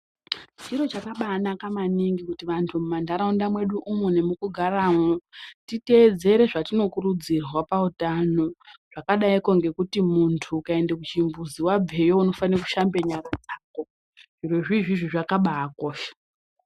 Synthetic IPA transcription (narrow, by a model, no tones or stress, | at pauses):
t͡ʃiɾo̞t͡ʃakaɓaːnakamaniŋɡikutiʋantʰumumandʱaɾaundamwe̞ɗuʔumune̞mukuɡʱaraːmotite̞ːd͡ze̞ɾe̞ʐatino̞kurud͡zirwapautano̞ʐ̥akaɗaiko̞ŋɡe̞kutimuntʰukae̞ndekut͡ʃimbuziwab͡vʱe̞jo̞uno̞faniraku̥ʃambeɲaɾad͡zaːko̞ | ʐirweʐiʐiʐiʐakaɓaako̞ːʃe̥